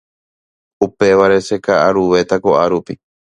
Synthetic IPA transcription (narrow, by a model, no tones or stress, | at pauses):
upe̞ʋaɾe̞se̞kaʔaɾuʋe̞t̪akoʔaɾupi